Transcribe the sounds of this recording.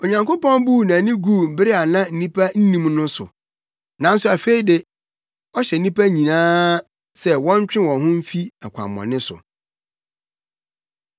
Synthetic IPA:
o˨ɲã˨ŋko˦pɔ̃˦nbuː˦˨nã˨nɪ̃˦ɡuː˦˨m̩˨bɪ˦ɾɪ˦a˨nã˦n̩˨nĩ˦pʰa˦n̩˦nĩ˦mnʊ̃˦sʊ̰˨ | nã˨n̩˦sʊ˨a˨fe˦i˦dɪ˨ | ɔ˦ɕɛ˨n̩˨˦nĩ˦pa˦ɲĩ˨nãː˦ | sɛ˦wɔ̃˦ɲ˦t͡ɕᶣɪ̃˦wɔ̃˨nɦʊ̃˦m̩˦fi˦a˨kʷʰa̰˨mːɔ̰̃˨nɪ̃˦sʊ̰˨

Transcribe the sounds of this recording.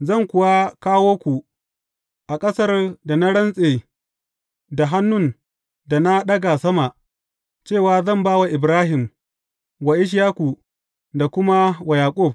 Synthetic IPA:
zɐ˦˨ŋkʷʊ˨wa˦kaː˦woː˦kʷu˨ | ʔa˨kʼɐ˦sɐ˦rda˨na˦ɽɐ˦nsʼeː˨ | da˨ɦa˦nːʊ˦˨n | da˨na˦ɗɐ˦ɡa˨sɐ˦ma˨ʔ | t͡ʃeː˦˨waː˨zɐ˦˨mbaː˦wa˨ʔɪ˨bɾaː˦ɦɪ˨m | wa˨ʔɪ˦ʃ̬jaː˦kʷu˨ | da˨kʷʊ˦ma˦wa˨jaː˨kʷʼʊ˦˨b̚

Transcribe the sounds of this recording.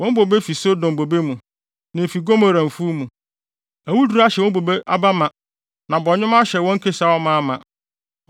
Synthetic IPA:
wɔ̃˦m˦bo˨be˦fi˨so˦dʊ̃˨m˨bo˨be˦mũ˨ | nã˨fi˨ɡo˦ma˨ɾã˨m˨fu˦mũ˨ | æ˨wu˦du˨ɾa˦ɕɛ˨ɔ˦bo˨be˦ʔa˦ba˦mã˨ | nã˨bɔ˨ɲɪ̃˦m˦a˦ɕɛ˨wɔ̃˦ŋ̩˦kʰe˦sa˨˦wɔ˦mã˦mã˨

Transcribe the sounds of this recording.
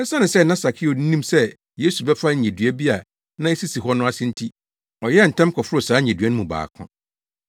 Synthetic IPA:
ɛ˦sa˦nɪ̃˨sɛ˦˨nã˦sa˨kʰɪ˦o˨n̩˦nĩ˦msɛ˦ | je˦su˨bɛ˦fa˦ɲ̩˨ɲɛ̃˨dɥɛ˦bi˦a˨ | nã˦ɛ˦si˦si˨ɦɔ˦nʊ̃˦a˦sɪ̃˦n̩˦tʰi˦ | ɔ˨jɛ˦˨n̩˨tʰɛ̃˦m˦kʰɔ˨fʊ˦ɾo˨saː˨˦ɲ˨ɛ̃˨dɥɛ˦nʊ̃˦mũ˨ba̰ː˨kʰʊ̰̃˦

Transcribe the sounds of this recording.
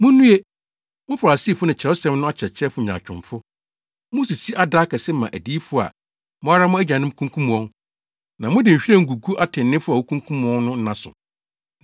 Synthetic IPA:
mʊ̃˦nũ˦e˦ | mʊ̃˦fa˨a˨si˦˨fʊ˦nɪ̃˨t͡ɕʰɛ˨˦ɔ˦sɛ̃˦mnʊ̃˦a˦t͡ɕʰɛ˨t͡ɕʰɛ˦fʊ˨ɲ˨ã̰˨t͡ɕᶣʊ̰̃˨fʊ˦ | mʊ̃˦si˨si˦ʔa˦˨daː˦kʰɛ˨sɛ˦mã̰˨ʔæ˨diː˦fʊ˦a̰˨ | mʊ̃˦a˦ɾa˦mʊ̃˦æ˦d͡ʑã˨nɪ̃˦m˦kʰũ˦ŋkʰũ˦m˨ɔ̃˦n | nã˨mʊ̃˦dɪ˨ɕᶣi˦ɛ˦˨ŋ̩˨ɡu˨ɡu˦ʔa˦tʰɪ̃˨n˨nɪ̃˦fʊ˦a˨wo˦kʰũ˦ŋkʰũ˦m˨ɔ̃˦nnʊ̃˦n̩˦nã˦sʊ̰˨

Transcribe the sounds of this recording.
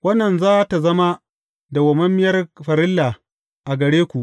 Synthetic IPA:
wɐ˦nːɐ˨nzaː˦ta˨zɐ˦ma˦ | da˨wɐ˨mɐ˦mːɪ˦jɐ˦rɸɐ˨ɾɪ˦lːa˨ | ʔa˨ɡɐ˨ɽeː˦kʷu˨ʔ

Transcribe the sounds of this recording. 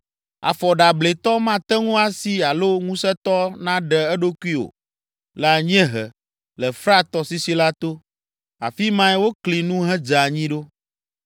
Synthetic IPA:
a̰˨fɔ˨ɖa˨ble˨t̪ɔ˦mã˦t̪ɛ˦ŋũ˦a˦si˦a˨lo˦ŋũ˦sɛ˦t̪ɔ˦nã˦ɖɛ˨ɛ˦ɖo˦ku˦i˦o̰˨ | lɛ˨a˨ɲĩ˦ɛ̃˦ɦɛ˨ | lɛ˨fɾa˦t̪ɔ˨si˦si˦la˦t̪o˦ | a̰˨fi˦mã˦ɛ˦wo˦kli˨nũ˦ɦɛ˦d͡ʒa˨ɲĩ˦ɖo˦

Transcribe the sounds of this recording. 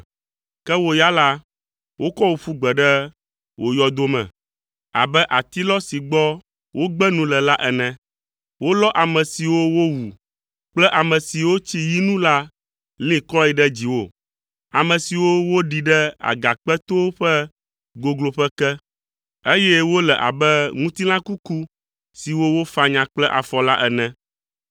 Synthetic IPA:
kɛ˦wo˦ja˦la˦ | wʔo˦kɔ˦wo˨ɸu˦ɡ͡bɛ˨ɖɛ˦ | wo˨jɔ˨d̪o˦mɛ̰̃˨ | a̰˨bɛ˦ʔa˨t̪i˦lɔ˦si˨ɡ͡bɔ˦ | wo˦ɡ͡bɛ˦nũ˦lɛ˨la˦ʔɛ˨nɛ̃˨ | wo˦lɔ˦ʔa˨mɛ̃˨si˨wo˦wo˦wu˨ | k͡plɛ˦ʔa˨mɛ̃˨si˨wo˦t͡ɕi˦ji˦nũ˦la˦ | lĩ˦kɔ˦i˨ɖɛ˦d͡ʑi˨wo˦˨ | a˨mɛ̃˨si˨wo˦wo˦ɖi˨ɖɛ˦a̰˨ɡa˨k͡pɛ˦t̪o˦ɸɛ˦ | ɡo˨ɡlo˨ɸɛ˦kɛ˦ | e˦jɛ˦wo˦lɛ˨ʔa̰˨bɛ˦ŋũ˦t̪i˦lã˦ku˦ku˦ | si˨wo˦wo˦fa˨ɲã˨k͡plɛ˦ʔa̰˨fɔ˨la˦ʔɛ˨nɛ̃˨

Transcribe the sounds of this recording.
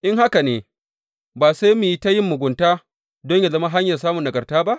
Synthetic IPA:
ʔɪ˦ŋha˦ka˨neː˨ | baː˨sa˦jmi˨ji˦ta˦jɪ˦mːʊ˨ɡʷʊ˨ntaː˦ | dɔ˦ɲja˨zɐ˦ma˦ɦa˦ɲjɐ˨saː˦mʊ˨ndɐ˨ɡɐ˨rtaː˦ba˦ʔ

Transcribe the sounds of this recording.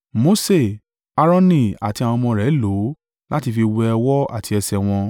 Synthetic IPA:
mo˧˦se˦˨ | a˧ɾɔ̃˧nĩ˧˨a̰˨ti˧ã˨ɔ̃˧mɔ̃˧ɾɛ˨˦lo˨˦ | la˦ti˧fi˧wɛ˧ɛ˧wɔ˦a̰˦˨tʰi˧ɛ˧sɛ˧w̃ɔ̃˧

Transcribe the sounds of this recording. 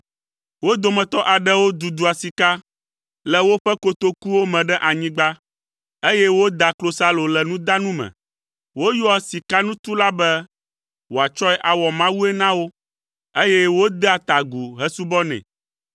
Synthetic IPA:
wo˦d̪o˨mɛ̃˨t̪ɔ˦ʔa˨ɖɛ˦wo˦d̪u˨d̪u˨a˨si˨ka˦ | lɛ˨wo˦ɸɛ˦ko˦t̪o˦ku˦wo˦mɛ̃˨ɖɛ˦ʔa˨ɲĩ˦ɡ͡ba˦ | e˦jɛ˦wo˦d̪a˨klo˦sa˦lo˨lɛ˨nũ˦d̪a˦nũ˦mɛ̰̃˨ | wo˦jɔ˦a˨si˨ka˦nũ˦t̪u˦la˦bɛ˦ | wo˨a˨t͡ʃɔ˦ɛ˦ʔa˨wɔ˨mã˦wu˦ɛ˦nã˦wo˦ | e˦jɛ˦wo˦d̪ɛ˦a˨t̪a˨ɡu˨ɦɛ˦su˦bɔ˦nɛ̰̃˨

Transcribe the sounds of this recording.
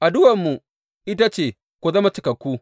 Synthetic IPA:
ʔa˨dʊ˦wɐ˨mːu˨ | ʔɪ˦ta˦t͡ʃeː˨ | kʷo˨zɐ˦ma˦t͡ʃɪ˨˦kɐ˨kʷːuː˦

